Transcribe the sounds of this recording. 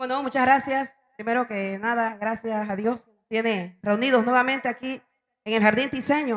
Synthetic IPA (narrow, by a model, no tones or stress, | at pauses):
bwenomũt͡ʃazɣɾasjas | pɾime̞ɾo̞kenaðaɣɾasjasaðjo̞s | t̪je̞nereuniðosnwe̞βamẽnt̪eaki | eŋelhaɾðind̪ise̞ɲo